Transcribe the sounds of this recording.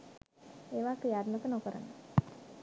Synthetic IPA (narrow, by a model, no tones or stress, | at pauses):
eːʋaːkɾijad̪mək̪ənokəɾə̰nə